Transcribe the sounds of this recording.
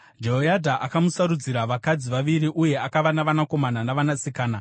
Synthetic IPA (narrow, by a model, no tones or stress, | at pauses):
d͡ʒeɦojadʱaʔakamusaɾud͡ziɾaʋakad͡ziʋaʋiriʔuje̞akaʋanaʋanako̞mananaʋanasikaːna